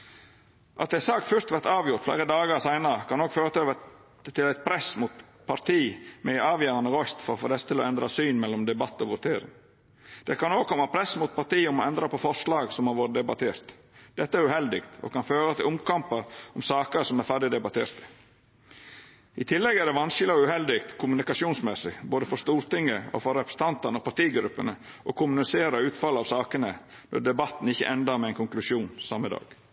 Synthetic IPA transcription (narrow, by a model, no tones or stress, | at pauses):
ʔɑ̰t̪ɛsɑːkfœɾt̪ʋæɾt̪ɑːʋjʊɾt̪flæ̰ːɾəd̪ɑːɡəɾsæɪnəɾəkʰɑnɔɡføːɾət̪ʰøʋə | t̪ʰɪlæɪt̪̚pʰɾɛsmut̪ | pʰɑɾt̪ʰiːmɛɑːʋjœːɾɑnəɾɔst̪fɔɾɔfo̰ːd̪ɛsə̥t̪ʰɪlɔɛnd̪ɾɑsyːnmɛlːɔmd̪ɛbɑt̪ːɔʋʊt̪ʰeːɾɪ̰ŋ | d̪̥ɛkʰɑnoːɡ̚kʰɔmːɑpʰɾɛsmʊt̪̚pʰɑt̪iːʊmɔɛnd̪ɾɑpɔfɔʂlɑːɡsɔmɑɾʋoːɾəd̪ɛbɑt̪ʰeːɾt̪ | d̪̥ɛt̪ːəæɾʉhɛld̪ɪkt̪o̰kɑnføːɾət̪ʰɪlʊmkʰɑmpəɾɔmsɑːkəɾsɔmæɾfæɖɪd̪ɛbɑt̪ʰḛːɾt̪ | ɪt̪ʰɪlːɛɡæɖɛʋɑnʃɪlɔʉhɛld̪ɪk̚t̪kʰʊmʉnɪkɑsuːnsmɛsɪboːd̪əfɔʂt̪uːɾt̪ɪŋːəɔ̰fɔɾːɛpʰɾə̥sə̥nt̪ɑnt̪ɑnəɔpɑɾʈ̪iːɡɾʉpːənəʔɔkʰʊmʉnɪseːɾəʉːt̪fɑlːəɑʋsɑːkənə | nɔ̰ɖɛbɑt̪ːn̩ɪçːə̰ʔɛnd̪ɑɾmɛɛɪnkʊŋklʉʂuːnsɑməd̪ɑ̰ːɡ̥